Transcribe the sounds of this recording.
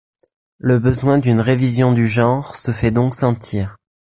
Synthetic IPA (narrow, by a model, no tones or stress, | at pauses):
ləbəzwɛ̃d̪ynʁevizjɔ̃d̪yʒɑ̃ʁsəfɛd̪ɔ̃ksɑ̃t̪ʰiːʁ